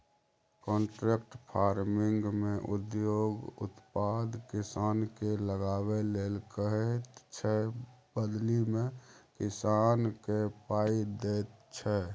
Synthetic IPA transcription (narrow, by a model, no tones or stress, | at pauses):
kɔ̃ːɳʈɾeːkʈpʰaːɾmɪŋɡmẽʔʊd̪joːɡʊ̰t̪pad̪kɪsaːnkeləɡaːweleːlkəɦet̪t͡ʃʰɛbəd̪limẽkɪsaːnkepaːid̪eːt̪t͡ʃʰɛ